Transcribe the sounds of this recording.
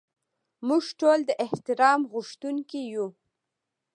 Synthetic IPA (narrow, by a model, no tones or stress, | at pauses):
muʒʈold̪əʔɪht̪ɪɾɑmɣʊʃt̪uŋkiju